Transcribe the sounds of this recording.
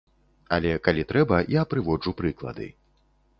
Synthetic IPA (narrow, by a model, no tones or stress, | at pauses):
a̰lʲɛkalʲit̪ɾɛbɐjapɾɨvɔd͡ʐupɾɨklˠɐ̰d̪ɨ̰